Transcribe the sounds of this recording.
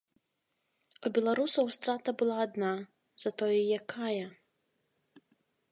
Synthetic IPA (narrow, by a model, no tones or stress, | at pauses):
ubʲɛlˠaɾusɐwst̪ɾat̪ɐbɨlˠaːd̪na | zɐt̪ɔjɛjakʰajɐ